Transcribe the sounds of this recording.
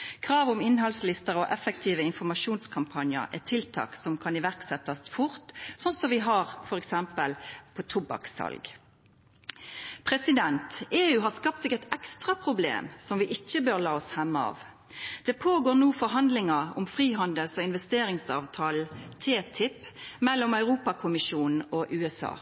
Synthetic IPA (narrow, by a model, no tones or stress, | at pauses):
kʰʁɑːʋʊmɪnɦɑlslɪst̪əʁɔʔɛfɛkt̪ʰiːʋəɪnfɔmɑʃuːnskʰɑmpʰɑnjə̰ɾɛ̰t̪ʰɪlt̪ʰɑ̰ːksɔmkʰɑnɪʋæʁksɛt̪ːɑst̪fʊɾt̪sɔnsɔʋɪɦɑʁfɔʁɛksɛmpəlpʰot̪ʰʊbɑ̰ksɑ̰lɡ | pʰɾɛsɪd̪ɛnt̪eːʉːɦɑskɑp̚t̪sɪkːəɛt̪ɛkst̪ʁɑpʰʁʊblḛːmsɔmʋɪʔɪçːəbøːɾlɑːɔshɛmːəɑ̰ːʋ | d̪̥ɛpʰoːɡoːʁnuːfɔɾɦɑnd̪lɪŋɑɔmfʁiːɦɑnd̪əlsɔɪnʋɛst̪eːɾɪŋsɑ̰ːʋt̪ʰɑːl̩t̪ʰeːt̪ʰɪpmɛlːɔmœʉʁuːpɑkʰʊmɪʃuːnn̩ɔʔʉːɛsɑ̰ː